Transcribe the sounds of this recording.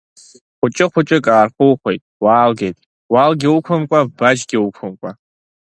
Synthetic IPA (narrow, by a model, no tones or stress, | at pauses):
χʷʊt͡ʃʼɪχʷʊt͡ʃʼɪkʼaːrχʷʊwχʷejtʼwaːlɡʲejtʼ | waːlɡʲɪwʊkʷʰɐmkʷʼabad͡ʒɡʲɪwʊkʷʰʊmkʷʼa